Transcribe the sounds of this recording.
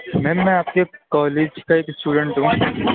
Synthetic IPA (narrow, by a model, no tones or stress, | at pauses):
mɛ̃mːɛ̃aːp̚kekɔːleːd͡ʒkaeːksʈuːɖə̃ɳʈɦũː